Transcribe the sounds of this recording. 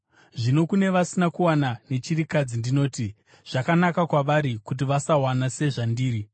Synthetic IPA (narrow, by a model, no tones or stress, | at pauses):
ʐino̞kune̞ʋasinakuwanane̞t͡ʃirikad͡zindino̞ːti | ʐ̥akanakakwaʋaɾikut̬iʋasawanase̞ʐandiːɾi